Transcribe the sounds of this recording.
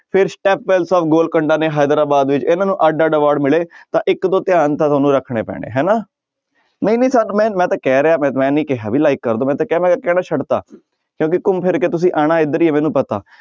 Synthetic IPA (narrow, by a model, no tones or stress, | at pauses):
pʰɪɾsʈɛːpːɛːlsɔːfʰɡoːlkəɳɖaːneːɦaːjd̪əɾaːbaːd̪ʋɪt͡ʃɪnãːnũːʔaɖaːɖəʋaːɽmɪleːt̪ãːʔɪkd̪oːt̪ɪjaːnt̪ãːt̪ʰoːnũːɾəkʰɳḛːpɛ̰ːɽ̃ḛːɦɛːnaː | nəĩːnə̃ːsaːnːmɛ̃ːmɛ̃ːt̪aːkɛːɾeaːmɛ̃ːmɛ̃ːnĩːkɛɦa̰ːbiːlaːɪkːəɾd̪oːmɛ̃ːt̪ãːkɛːmɛ̃ːkɛːnaːt͡ʃʰəɖt̪a̰ː | kjõːkɪkʊmpʰɪɾket̪ʊs̬ĩːʔaːɽ̃aːɪd̪əɾiːeːmɛ̃ːnũːpət̪a̰ː